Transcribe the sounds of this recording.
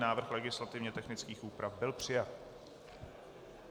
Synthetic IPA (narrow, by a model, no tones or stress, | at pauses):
naːvr̩xlɛɡɪslat̪ɪvɲɛt̪ɛxnɪt͡skiːxʔuːpɾʔafbɪlpr̝̥ɪjat̪̚